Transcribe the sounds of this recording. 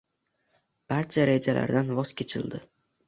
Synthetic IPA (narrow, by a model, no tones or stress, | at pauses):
b̥aɾt͡ʃʰaɾe̞d͡ʒalʔa̰ɾd̪anvɒzkʲʰet͡ʃʰɪ̰ld̪ɪ